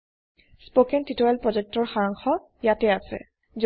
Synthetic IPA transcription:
spokɛntitɔɛlpɹɔzɛk̚tɔɹxaɹaŋxɔ | jatɛasɛ̰ | z

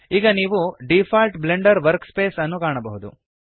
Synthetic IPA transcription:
iːɡɐniːʋuɖifʰaːlʈbleɳɖɐɾʋɐɾkspeːsɐnːukaːɳɐbɐɦud̪ṵ

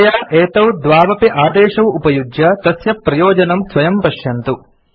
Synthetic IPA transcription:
jaːʔeːt̪ɐwd̪ʋaːʋɐpiʔaːd̪ɛːʃɐwupɐjudjɐt̪ɐsjɐpɾɐjɔːd͡ʒɐnɐmsʋɐjɐmpɐʃjɐnt̪u

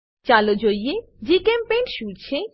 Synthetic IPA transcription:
t͡ɕalod͡ʑojje | d͡ʑikempenʈʃuɽt͡ɕʰe

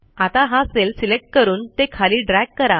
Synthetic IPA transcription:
at̪ãɦaəselsilek̚ʈ̚kəɾuːnt̪ekʰaliːɖɾaɡ̚kːəɾã

